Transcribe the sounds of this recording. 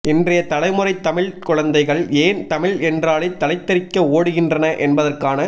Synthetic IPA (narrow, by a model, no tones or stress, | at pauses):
ʔɪndrɐjɐt̪ɐlɐɪmɯrɐɪt̪ːɐmɪɭkʊɻɐnd̪ɐɪɣɐɭeːnt̪ɐmɪɭɛndraːɭɐɪt̪ːɐlɐɪt̪ːɐɾɪkːɐoːɽɯɣɪndrɐnɐʔɛnbɐðɐrkaːnɐ